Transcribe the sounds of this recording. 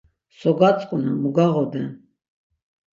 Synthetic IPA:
sɔɡat͡sʼqʼunamuɡaʁɔd̪ɛn

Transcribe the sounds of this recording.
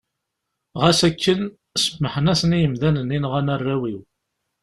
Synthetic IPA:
ʁæsækːən | səmːəħənæsənijəmðænənːinʁænərˤːæwiw

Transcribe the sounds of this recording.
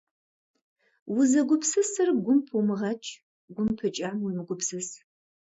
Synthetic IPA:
wʊzɐɡʷʊpsɨsɨrɡʷʊmpʰumɨʁɐt͡ʃʰʼ | ɡʷʊmpʰɨt͡ʃʼaːmʊmɨɡʷʊpsɨs

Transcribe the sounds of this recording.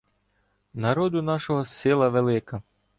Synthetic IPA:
nɐɾɔd̪ʊnɑʃɔɦɔsɪlˠɐʋelˠɪkɐ

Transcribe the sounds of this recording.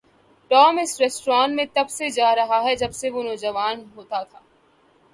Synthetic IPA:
ʈɔːmɪsɾɛːsʈɾaːnmẽt̪ɐbsed͡ʒaːɾɐɦaɦɛd͡ʒɐbseʋonoːd͡ʒɐʋaːnɦoːt̪at̪ʰaː

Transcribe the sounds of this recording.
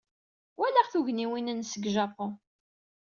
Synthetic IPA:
wælæʁθuʝniwinənsəɡʒɑpɔ

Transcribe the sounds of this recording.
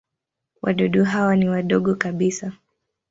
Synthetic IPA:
wʔa̰ɗɔɗɔɦawaniwaɗɔɠɔkaɓisa

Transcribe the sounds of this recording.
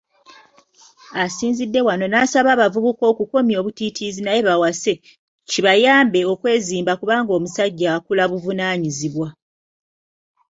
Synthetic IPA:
asiːnzidːe̞wano̞naːsaβaːβavuβuko̞ːkuko̞mjo̞ːβutitʰizinaje̞βawase̞ | ciβajaːmbe̞okwe̞ːziːmbakuβaːŋɡo̞ːmusaɟːaːkulaβuvunaːɲiziβwa

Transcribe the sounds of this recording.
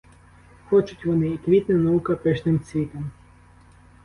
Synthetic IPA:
xɔt͡ʃʊtʲʋɔnɪːkʋʲit̪nɐnɐukɐpɪʃnɪmt͡sʲʋʲit̪ɔm

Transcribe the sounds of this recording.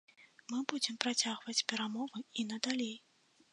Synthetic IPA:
mɨbud͡zʲɛmpɾat͡sʲaɣvɐt͡sʲpʲɛɾamɔvɨinɐd̪alʲej

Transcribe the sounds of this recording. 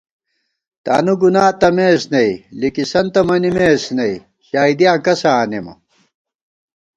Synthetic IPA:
t̪a̰ːnuɡunaːt̪ɐmeːsnɐilikisɐnt̪ɐmɐnimeːsnɐi | ɕaːid̪ijãːkɐsaːnemɐ̰

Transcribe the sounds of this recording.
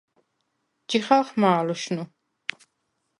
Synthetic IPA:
d͡ʒiχalχmaːluʃnu

